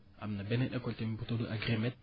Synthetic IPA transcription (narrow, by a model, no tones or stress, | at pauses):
a̰mnabeneɗekoltembutoluʔa̰ɡɾimet̪̚